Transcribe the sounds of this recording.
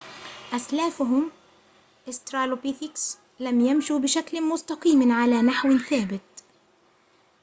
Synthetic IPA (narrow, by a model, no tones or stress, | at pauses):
ʔaslaːfʊɦʊm | ʔɪst̪ɾaːlopiθɪks | lamjamʃubɪʃaklmʊst̪ɑqiːmʕalaːnaħwɪθaːbɪt̪̚